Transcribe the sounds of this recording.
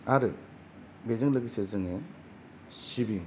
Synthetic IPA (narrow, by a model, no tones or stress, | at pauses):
aɾɯ | bezɯŋlɯɡɯsezɯŋe | sibiŋ